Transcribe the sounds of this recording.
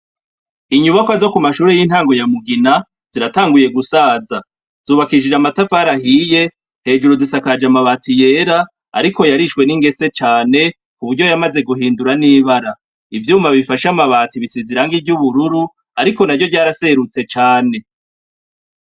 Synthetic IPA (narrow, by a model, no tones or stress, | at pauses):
iɲuβakwazo̞kumaʃuːɾejin̥haːŋɡo̞jamuɡina | z̥iɾataːŋɡuje̞ɡusaːza | z̥uːβakiʃid͡ʒamatafaɾahiːje̞ | he̞ːd͡ʒuɾuzisakad͡ʒamaβaːtije̞ɾa | a̰ɾiko̞jaɾiʃwe̞niŋɡe̞se̞t͡ʃaːne̞ | kuβuɾɟo̞jamaze̞ɡuɦiːnduɾaniːβaɾa | ivjuːmvaβifaʃamaβaːtiβisiziɾaŋɡivjuβuɾuɾu | aɾiko̞naɾɟo̞ɟaːɾase̞ɾut͡se̞t͡ʃaːne̞